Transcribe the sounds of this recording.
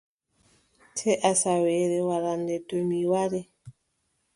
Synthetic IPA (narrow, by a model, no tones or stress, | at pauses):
tʰɛʔasawɛɾɛwaɾandɛdomiwaɾɛ